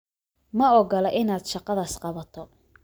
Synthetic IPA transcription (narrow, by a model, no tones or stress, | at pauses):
mɐɔɡɐlɛʔɪnaːd̪ʃɑqɑðaːsqɑβɐt̪ʰɔ